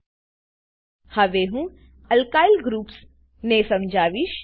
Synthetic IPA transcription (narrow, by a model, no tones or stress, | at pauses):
hɐʋeːɦũ | ɐlkaːɪlɡɾuːps | nẽːsɐmd͡ʒaːʋiʃ